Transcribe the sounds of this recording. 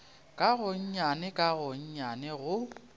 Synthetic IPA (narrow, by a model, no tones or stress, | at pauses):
kʼaɣʊɲ̩ɲanɛkʼaɣʊɲ̩ɲanɛɣʊ